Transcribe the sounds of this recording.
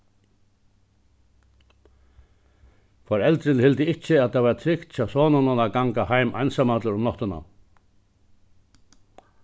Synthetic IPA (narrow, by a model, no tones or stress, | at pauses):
fɔɾɛlt̪ɾɪnhɪlt̪ɪɪht͡ʃɪaðt̪ʰaʋat̪ʰɾɪkt̪t͡ɕʰaːwsɔːnananaɡaŋkahajmʔa̰jnsamat̪ləɾʊmnɔht̪ɪna̰